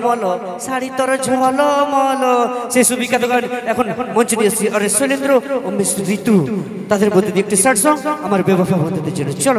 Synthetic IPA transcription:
mɔlɔ | saɽit̪ɔɾɔd͡ʒʱɔɦalɔmɔlɔsesubikat̪ɔɡanɛkʰɔnmɔnt͡ʃɔd̪iɔsiɔɾesolind̪ɾɔɔmːesubit̪u | t̪ad̪ʱeɾbudt̪it̪iek̚ʈisaʈsɔ̃amaɾbɔbɔpʰabɔt̪t̪id͡ʒeɽ̃ɔt͡ʃɔl

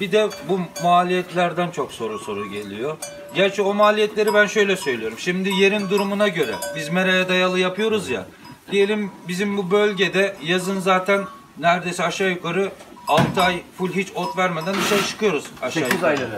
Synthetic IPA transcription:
bid̪ɛbumuaːlʲijɛt̪lʲæɾd̪ænt͡ʃʰo̞kso̞ɾuso̞ɾuɟe̞lʲijo̞ɾ | ɟæɾt͡ʃʰɛo̞maːlʲijɛt̪lʲe̞ɾibænʃø̞jlʲɛsø̞jlʲijo̞ɾumʃimd̪ije̞ɾind̪uɾumunaɟø̞ɾɛ̰bizmeɾajad̪ajalˠɯjapʰɯjo̞ɾuzja̰ | d̪̥ije̞lʲimbizimbubø̞lʲɟed̪ɛjazɯnzaːt̪ʰænː | æɾd̪e̞siaʃajukaɾɯ | alˠt̪ʰɯajfulʲɦit͡ʃo̞t̪væɾmed̪ænb̪iʃejt͡ʃʰɯ̥kʰɯjo̞ɾuz̥aʃa

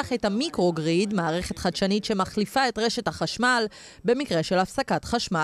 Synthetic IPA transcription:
aχethamikʁoɡʁidmaːʁe̞χe̞tχadʃanitʃe̞maχlifae̞tʁe̞ʃe̞thaχaʃmal | be̞mikʁe̞ʃe̞lafsakatχaʃma

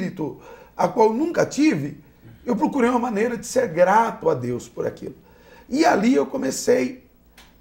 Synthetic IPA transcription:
ɾit̪ʊakwawnũŋkɐt͡ʃivɪ | ewpɾokuɾejũmɐmɐ̃nejɾɐd͡ʒɪ̥seɾɡɾat̪ʊad̪ewspʊɾa̰kḭlʊ | ɪaliewkõmesej

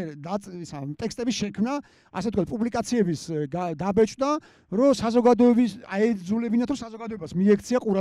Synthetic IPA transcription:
d̪asat̪ʼɛkst̪ʼɛbisʃɛkʰmna | a̰sɛt̪kʰwat̪pʼublikʼat̪sʰiɛbisɡad̪abɛt͡ʃʼd̪a | ɾɔsazɔɡad̪ɔɛbisa̰ɛd̪zulɛbinat̪ʰɾɔsazɔɡad̪ɔɛbasmiɛkʰt̪sʰiaqʼuɾa

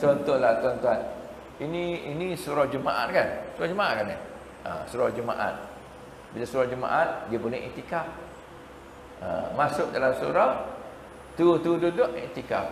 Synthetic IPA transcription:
t͡ʃɔnt̪ʊhlaht̪uant̪uan | iniinisuɾɔhd͡ʒəmaʔa̰t̪̚kansuɾahd͡ʒəmaʔat̪̚kanɪ̰h | ə̰suɾahd͡ʒəma̰ʔa̰t̪̚ | bilasuɾahd͡ʒəma̰ʔat̪̚diapunɛʔḛt̪ikap̚ | ə̰masʊk̚dalamsuɾah | t̪ut̪ududʊʔet̪ika̰p̚

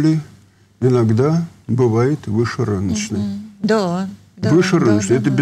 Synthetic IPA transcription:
lʲɪ | ɪnaɡd̪abɨvajɪt̪vɨʂɨrɨnət͡ɕnəd̪ | vɨʂɨɾɨnət͡ɕnəɛt̪əbʲ

